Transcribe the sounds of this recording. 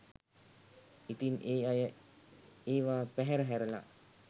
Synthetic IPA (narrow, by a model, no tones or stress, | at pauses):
it̪ineːajə | eːʋaːpæɦɛɾəɦæɾəla̰